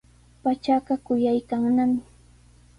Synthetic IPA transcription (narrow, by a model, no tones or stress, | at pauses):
pat͡ʃaɢɑkʊjajkaŋnamɪ